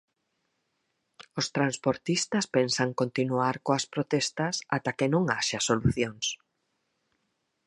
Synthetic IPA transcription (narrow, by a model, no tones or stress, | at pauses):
ost̪ɾanspoɾt̪ist̪ɐspensaŋkont̪inuaɾkoɐspɾot̪ɛst̪ɐsa̰t̪akɪnõŋaʃɐsoluθjoŋs